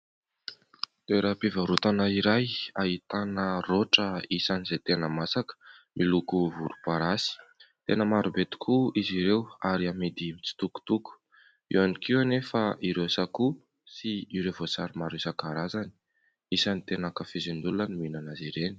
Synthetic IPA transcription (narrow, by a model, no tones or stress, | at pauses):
t̪eɾapivəɾut̪anaiɾajait̪anəroʈ͡ʂəisanizet̪enəmasakə̥mʔilukuvuɾupaɾasi̥t̪enəmaɾubet̪i̥kʰuiziɾewaɾiamed̪imit͡si̥t̪uku̥t̪uku̥ | ḭwanikiwanefaʔiɾewsaku | siiɾewvosaɾimaɾesakaɾazani̥ | isanit̪enakafezend̪ulunənuminanaziɾeni̥